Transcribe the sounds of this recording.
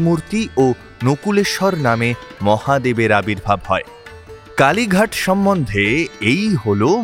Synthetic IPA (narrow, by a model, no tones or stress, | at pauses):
muɾt̪iʔo | nokuleʃɔɾnamemɔhad̪ebeɾabiɾbʱabhɔe | kaliɡʱaʈʃɔmːond̪ʱeejɦolo